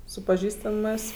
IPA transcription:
sʊ pɐˈʒʲiːstɐmɜs

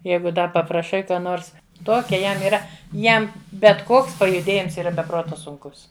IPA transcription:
ˈjɛɪɡʊ ˈdɐ pɐprɐˈʃɐɪ ˈkɑː ˈnoːrs ˈtoːkʲɛ ˈjɛm iːˈrɐ ˈjɛm bʲɛt ˈkoːks pɐjʊˈdʲeːjɪms ˈiːrɐ bʲɛ ˈproːtɐ sʊŋˈkʊs

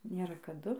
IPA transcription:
ˈnʲeːrɐ kɐˈdʊ

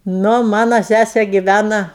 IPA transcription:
ˈnʊ ˈmɑːnɐ ˈsʲæsʲɛ ɡʲɪˈʋʲænɐ

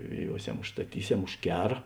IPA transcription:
ʒʲʋʲɛˈjuɔsʲɛm ʊʃstɐˈtʲiːˌsʲɛm ʊʃ ˈkʲæːrɐ

